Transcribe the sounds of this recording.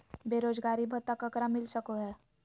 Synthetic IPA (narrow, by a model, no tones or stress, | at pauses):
beːɾoːd͡ʒɡaːɾibʱɐt̪ːakəkɾamɪlsəkoɦɛː